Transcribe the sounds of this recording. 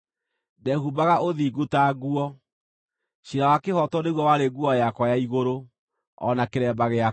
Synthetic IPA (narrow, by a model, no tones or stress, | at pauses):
dɛhubaɣaʔoðiːɡutaɣuɔ | ɕiɾawakehɔtɔneɣwɔwaɾeɡuɔjakwajaiɣoɾo | ɔ̰nakeɾɛːbaɣea